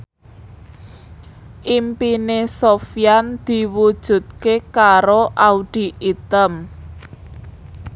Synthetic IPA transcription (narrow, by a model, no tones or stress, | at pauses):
ʔimpinesofijand̪̥i̤wud̥ʒ̥ṳt̪̚kekaɾoʔauɖ̪̥i̤ʔit̪əm